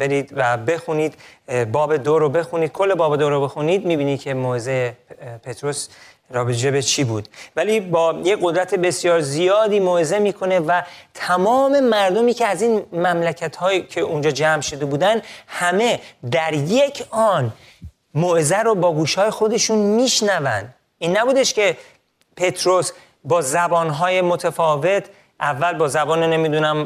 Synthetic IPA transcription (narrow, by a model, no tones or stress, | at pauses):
be̞ɾiːd̪væbe̞xuniːd̪̥bɒːbe̞d̪oɾobe̞xuniːd̪̚kʰolːebɒːbed̪oɾobe̞xuniːd̪miːbiːnid̪kʲʰe̞moːezejepʰe̞t̪ɾo̞s | ɾɒːbed͡ʒebet͡ʃʰiːbuːd̪̥væliːbɒːjecɢo̞d̪ɾæt̪ʰe̞be̞sjɒːɾzijɒːd̪iːmoeze̞miːkʰo̞ne̞væt̪ʰæmɒːme̞mæɾd̪omiːcʰeæziːnmæmlæcʰæt̪hɒːjcʰe̞ʔund͡ʒɒːd͡ʒæmʃo̞d̪e̞buːd̪ænhæme̞d̪æɾjecʰɒːn | moʔezæɾobɒːɡuːʃhɒːjexo̞d̪e̞ʃunmiːʃnævæ̰nd̪ | ʔiːnːæbuːd̪eʃce̞ | pʰe̞t̪ʰɾo̞s | bɒːzæbɒːnɦɒːjemot̪ʰefɒːve̞t̪ʰ | ʔævːælbɒːzæbɒːnene̞mid̪unæm